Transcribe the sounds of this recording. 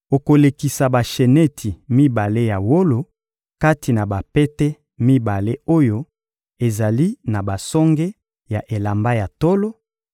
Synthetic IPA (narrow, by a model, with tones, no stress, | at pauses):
o˨ko˨le˨ki˨sa˨ba˨ʃe˨ne˦tʰi˨mi˦ba˨le˦ja˨wo˦lo˨ | ka˦ti˨na˨ba˨pɛ˦tɛ˦ | mi˦ba˨le˦o˦jo˦ | e˨za˨li˦na˨ba˨sɔ˦ŋɡe˦ | ja˨ʔe˨la˨mba˦ja˨to˦lo˦